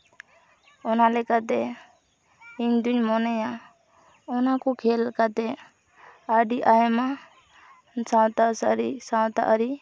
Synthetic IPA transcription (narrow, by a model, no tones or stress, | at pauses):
ɔnalɛkat̪ɛ | iɲd̪uɲmɔnɛja | ɔnakɔkʰɛlɛkat̪ɛ | aɖiʔaɛma | sãwt̪asa̰ɾḭsãwt̪a̰ʔəɾi